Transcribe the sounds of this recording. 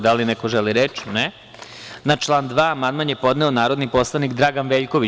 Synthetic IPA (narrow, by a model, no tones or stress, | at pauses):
d̪alinɛkoʒeliɾet͡ʃi̥nɛ | nat͡ʃlˠaːnd̪ʋaːmad̪manjepo̞d̪nɛonaːɾod̪nipo̞slˠanikd̪ɾaːɡanʋeːʎkoʋi